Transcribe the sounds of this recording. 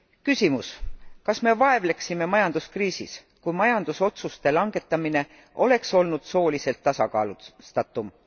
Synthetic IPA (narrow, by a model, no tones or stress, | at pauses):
kysimuskɑsme̞vɑe̞vle̞ksime̞mɑjɑnd̪̥uskriːsḭs | kujmɑjɑnd̪̥uso̞t̪sust̪e̞lɑŋɡ̥e̞t̪ːˑɑmine̞ | ʔo̞le̞kso̞lnud̪̥so̞ːlise̞lt̪ːɑsɑkɑ̰ːlust̪ɑt̪ːˑum